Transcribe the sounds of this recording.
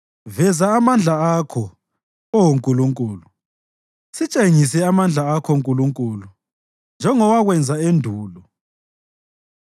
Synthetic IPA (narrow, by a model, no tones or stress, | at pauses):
vɛzaːmand͡ɮʱaakʰɔ | ɔwuŋkʼuluŋkʼuːlu | sit͡ʃʼeŋisɛamand͡ɮʱaakʰɔŋkʼuluŋkʼuːlu | nd͡ʒʱɛŋɔwaɣwɛnd͡zʱaendʱuːlɔ